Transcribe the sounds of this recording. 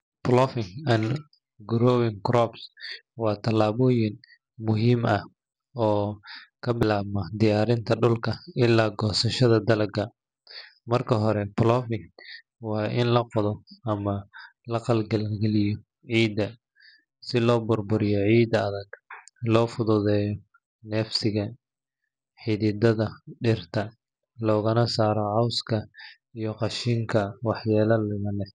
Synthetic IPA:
plɔfɪŋɐn | ɡʊɾɔːwɪŋkrɔbswɑːt̪ʰɐlaːβɔːjɪn | mʊɦiːmɐ | ɔːkʰɐbɪlaːβmɐd̪ɪjaːɾɪnt̪ʰɐɖʊlkʰɐɪlːaːɡɔːsɐʃɐðɐd̪ɐlɐɡʰɐ | mɐrkʰɐɦɔɾɛplɔfɪŋ | wɑːʔɪnlɐqɔðɔɐmɐ | lɐqɑlɡɐlɡɛlɪjɔ | ʕiːd̪ɐ | sɪlɔːbʊrbʊɾɪjɔʕiːd̪ɐðɐɡlɔːfʊðʊðɛːjɔ | nɛːfsɪɣɐ | ħɪðɪd̪ɐðɐɖɪrt̪ʰɐ | lɔːɣɐnɐsaːɾɔʕɑwskʰɐ | ijɔqɑʃiːŋkʰɐwɑħjaːlɐlʊɣɐlɛ

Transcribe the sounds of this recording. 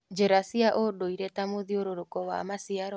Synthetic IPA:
d͡ʒeɾasiaʔodoiɾɛtamoðioɾoɾokɔwa̰masiaɾɔ

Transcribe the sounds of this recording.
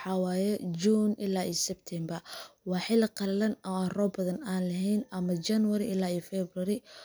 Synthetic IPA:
ħɑwaːjɛd͡ʒt͡ʃuːnʔɪ̰laːʔiːsɛb̚t̪ʰɛmbɐwɑːħɪlqɐllɐnɔːaːnrɔːbɐðɐnaːnlɐɦɛjnɐmɐt͡ʃɐnwɐɾɪʔɪlaːiːfɛbrɐɾɪ

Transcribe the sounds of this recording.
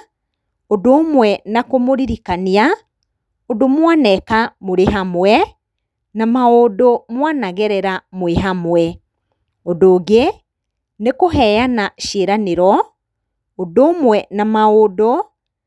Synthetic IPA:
odoːmwɛnakomoɾiɾikania | odomwanɛkamoɾeɦamwɛ | namaodomwanaɣɛɾɛɾamoeɦamwɛ | odoːɣe | nekoɦɛjanaʃeɾaneɾɔ | odoːmwɛnamaodo

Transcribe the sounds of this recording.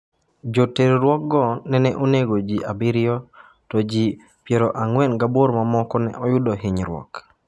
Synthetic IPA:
d͡ʒoteɾɾwɔk̚ɡɔnɛnɛʔoneɡod͡ʒiʔabɪɾɪɔ | tɔd͡ʒi | pjeɾɔʔaŋwɛnɡaboɾmamɔkɔnɛ̰ʔɔjʊdɔɦɪɲɾwɔ̰k

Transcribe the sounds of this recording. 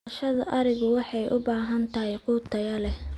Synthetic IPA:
ʃɐðɐʔɐɾɪɣʊwɑħɑjʔʊbaːɦɐnt̪ʰɐɦɛjquːt̪ʰɐjɐlɛ

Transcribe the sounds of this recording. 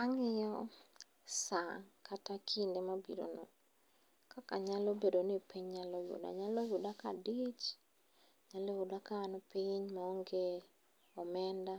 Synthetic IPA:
aŋɪjɔ | saŋkatakʰindemabḭɾo̰nɔ̰ | kakaɲalobedonɪpiɲɲalɔjʊ̰da̰ɲalɔjʊdakadit͡ʃ | ɲalɔjʊdakaːnɔpiɲmaɔŋɡe | ɔmɛnda

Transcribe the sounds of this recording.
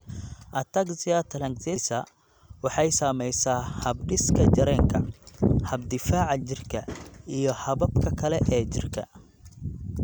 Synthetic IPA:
ʔɐt̪ʰɐkzɪjat̪ʰɐlɐŋɡsɪsɐ | wɑħɑjsɐːmɛjsaːhɐbɖɪskʰɐt͡ʃɐɾɛːŋkʰɐhɐb̚d̪ɪfaːʕɑt͡ʃɪrkʰɐijɞhɐβɐbkʰɐkʰɐlɛʔɛːt͡ʃɪrkʰɐ̰

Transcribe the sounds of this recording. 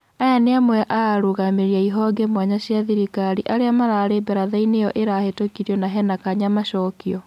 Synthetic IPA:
ajaneamwɛʔaɾoɣameɾiaiɦɔɡemwaɲaɕjaðiɾikaɾiʔaɾeamaɾaːɾebɛɾaðainejɔʔeɾahetokiɾjɔnaɦɛnakaɲamaʃɔkiɔ

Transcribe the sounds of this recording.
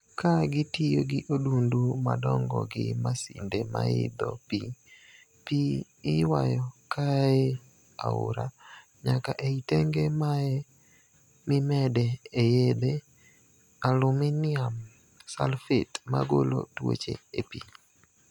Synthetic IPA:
kaɡɪtijoɡɪʔodundumadɔŋɡɔɡɪmasindema̰ɪ̰d̪ɔpiɲ | piː | wajɔkae | aʊɾa | ɲakaʔeiteŋɡemaɛ | mɪmɛdɛːjed̪e | alʊmɪnɪam | salfɪtmaɡolo̰two̰t͡ʃḛepiɲ

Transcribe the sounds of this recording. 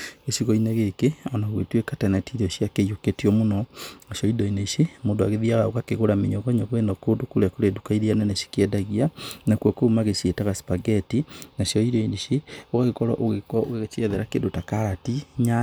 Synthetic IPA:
ɣesiɣɔineɣekeɔnaɣwetwekatɛnɛtiɾɔʃiakejoketiɔmonɔnaɕjɔidɔineiʃemoːndoaɣeðiaɾaoɣakeɣoɾameɲɔɣɔɲɔɣwenɔkodokoɾeakoɾedukaiɾianɛnɛʃi̥kiɛdaɣianakwɔkomaɣesietaɣaspaɡɛtinaʃjɔiɾɔiniʃeoɣaɣekɔɾɔ̰ʔoɣekɔoɣeɣet͡ʃiɛðɛɾakendotakaɾatiɲa

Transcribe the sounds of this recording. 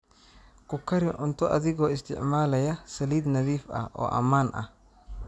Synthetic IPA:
kʰʊkʰɐɾɪʔʊnt̪ʰɔʔɐðɪɣɔːɪst̪ʰɪ̰ʕmaːlɐjɐsɐliːd̪nɐðiːfɐ̰hʔɔ̰ːʔɐ̰maːnʔɐ̰h

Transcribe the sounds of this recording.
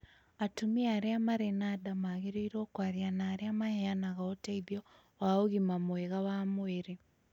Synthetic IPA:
atumiaɾeamaɾenadamaɣeɾeiɾoːkwaðjanaːɾeamaheanaɣaotaiðjɔ | waoɣimamoeɣawamoeɾe

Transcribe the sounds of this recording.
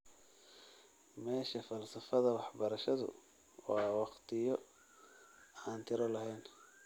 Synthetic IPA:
mɛːʃɐfɐlsɐfɐðɐwɑħbɐɾɐʃɐðʊ̰ | ɔ̰ːawɑqt̪ʰɪjɔ | aːnt̪ʰɪɾɔlɐɦɛjn

